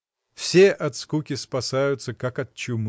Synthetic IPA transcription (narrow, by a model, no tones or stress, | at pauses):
fsʲeʔɐt̪skukʲɪspɐsajʊt̪səkakɐt̪̚t͡ɕːʊm